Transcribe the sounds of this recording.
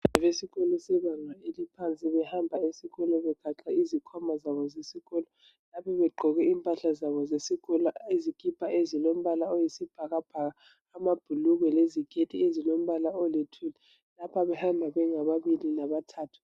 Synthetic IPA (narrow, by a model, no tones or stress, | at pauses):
aβesiɣɔlɔsɛβaŋaelipʰant͡sʼiβɛhambʱaesiɣɔlɔβɛkʰaǁaizikʰɔmazaβɔzesiɣɔlɔ | lapʰɔβɛɡ͡ǃʱɔɣɛimpʼaɬazaβɔzesiɣɔlaezikʰʼipʰaʔezilom̩βalaojisib̥ʱaɣab̥ʱaɣaː | mab̥ʱuluɣwɛleziɡ̥ʱetʰʼiezilom̩βalaɔletʰuli | lapʰaβɛhambʱaβɛŋaβaβilinaβatʰaːtʰu̥